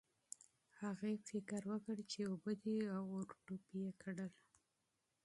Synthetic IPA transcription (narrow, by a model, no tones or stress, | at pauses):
haɣefɪkəɾwəkəɽt͡ʃeobəd̪iawoɾʈupijekʰaɽəl